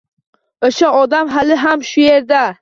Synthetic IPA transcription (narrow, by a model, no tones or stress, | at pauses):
oʃaɒd̪amɦalɪɦamʃʊje̞ɾd̪a